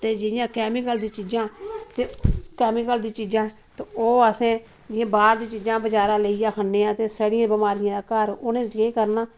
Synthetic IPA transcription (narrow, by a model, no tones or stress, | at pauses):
t̪eːd͡ʒɪɪjãːkɛːmɪkəld̪iːt͡ʃiːd͡ʒãːt̪eːkɛːmɪkəld̪ĩːt͡ʃiːd͡ʒãː | t̪eoːəsẽː | d͡ʒɪjãːbaːɾd̪iːt͡ʃiːd͡ʒãːbəd͡ʒaːɾãːleːijãːkʰənːeːãːt̪eːsəɽɪ̃jãːbəmaːɾɪjãːd̪aːkəɾʊnẽːd͡ʒɡeːkəɾnaː